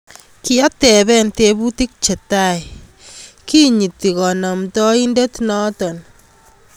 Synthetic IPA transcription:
ki˦a˦tɛ˨bɛ˦nte˧bu˦ti˦k̚t͡ʃe˨ta˦˨j | ki˦ɲi˨ti˨kɔ˨nɔ˨mtɔ˦i˦nde˦tnɔ˦tɔ˨n

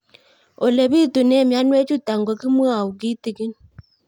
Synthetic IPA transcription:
o˨le˨βi˦tu˨nɛ˦˨mja˦nwe˦t͡ʃu˦ta˨ŋɡɔ˨ki˦mwo˦a˨u˨ki˦ti˨ki˦n

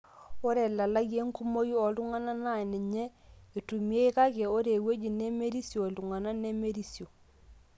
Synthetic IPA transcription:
o˦ɾɛ˨la˨la˦je˦ŋku˦mo˦ju˦ɔ˨lu˦ŋa˦na˦na˦˨nɪ˨ɲɛ˦e˨tu˨mi˦e˦i˦ka˦kɛ˨o˦ɾe˨we˦d͡ʒi˨ne˦me˦ɾi˦sjo˨lu˨ŋa˨na˦ne˦me˦ɾi˦sjo˨

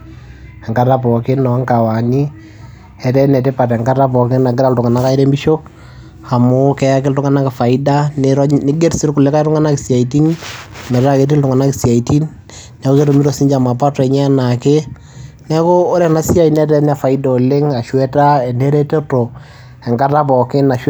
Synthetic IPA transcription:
ɛ˨ŋɡa˦ta˦pɔ˨kɪ˦nɔ˨˦ŋka˨wa˨ni˦ | ɛ˨tɛ˦nɛ˨te˦pa˨tɛ˨ŋɡa˦ta˦p̬ɔ˨kɪ˦na˨ɡɪ˦ɾa˦ltʊ˨ŋa˨na˦ka˦i˦ɾe˦mbi˦ʃo˦ | a˨mʊ˦kɛ˦ja˦kɪ˦ltʊ˦ŋa˦na˦kɪ˨fa˨i˦da˦nɾnɪ˦ɡe˦ɾsɪ˦ɾku˨le˦ka˦i˦tʊ˦ŋa˦na˦kɪ˨sja˨i˨t̬i˦n˨mɛ˨ɾa˦˨ke˨˦ti˦ltʊ˨ŋa˨na˦ki˨sja˨i˨ti˦n | nɛ˨˦ko˦ke˦to˨mi˦ɾo˨si˦ɲd͡ʒa˨ma˨pa˦tɛ˨ɲɛ˦na˨kɪ˦ | nɛ˦koː˦ɾɛ˨na˦si˦a˦˨i˨nɛ˦t̬ɛ˦n˦a˨fa˨i˦dɔ˨o˨lɪ˦ŋa˨ʃwɛ˦ta˦ɛ˨ne˦ɾe˦te˦to˨ | ɛ˨ŋɡa˦ta˦pɔ˨kɪ˦na˨ʃ

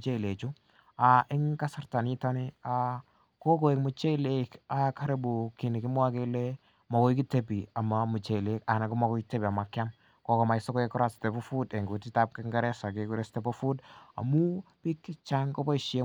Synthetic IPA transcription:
t͡ʃe˦˨le˨t͡ʃu˦ | a˨ʔɪ˦ŋka˦sa˦rta˨ni˦ta˦nɪ˦a˨ | ko˦ko˨e˨kmʊ˨t͡ʃe˦le˦ka˨ka˦ɾe˦bu˨ki˨nɪ˨kɪ˦mwa˦ke˦le | mɔ˨ko˦i˦ki˦te˦pi˨a˨ma˨mu˨t͡ʃe˨le˦ka˨na˨ku˦mɔ˨kɔ˦kite˦pi˨a˨ma˨kja˦m | ko˦kɔ˨ma˨ɪsɔ˦ko˦e˦kɔ˦ɾa˦ste˨pɔ˦fu˦de˨ŋɡu˨ti˦ta˦p̚kɪ˦ŋɡɛ˦ɾɛ˦sa˨ke˨ku˦ɾe˦stɛ˨pofu˦da̰˨mu˦pi˦kːɪ˦t͡ʃa˦ŋko˦bɔ˦i˨ʃe˦

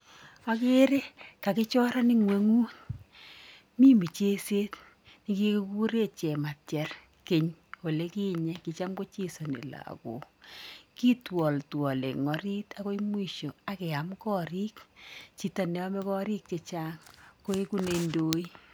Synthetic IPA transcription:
a˦ke˦ɾe˦ka˨kɪ˦t͡ʃɔ˦ɾa˦ni˦ŋwe˨˦ŋu˦t | mi˦mi˨t͡ʃe˦se˦t | ni˦ki˦ku˦ku˦ɾe˦t͡ʃɛ˨ma˨tjɛ˨r | ke˨ɲo˨le˦kiː˦ɲɛ˦ki˨t͡ʃa˦mko˦t͡ʃi˦so˨nḭ˨la̰˨ko̰˨ki˦twɔ˨ltwɔ˨lḛ˨ŋɔ˨ɾi˦ta˨ko˦i˦mwi˦ʃo˨a˨kɛ˨a˨mkɔː˦ɾi˦kt͡ʃi˨ta˨nɛ˨˦ɔ˦mɛ˦kɔː˦ɾi˦k̚t͡ʃe˨t͡ʃaː˦ŋko˦i˦ku˦ne˨ndoː˦i˦

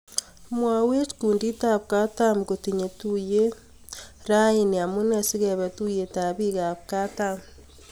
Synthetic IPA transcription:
mwa˨we˦t͡ʃkuː˨ndi˦ta˦βka˦ta˦mkotiɲe˨tu˦je˦ | ɾa˦i˦ni˨a˨mu˦ne˦si˦ɣe˨βe˨tu˦je˨ta˨βi˦ɣa˨βka˦tam

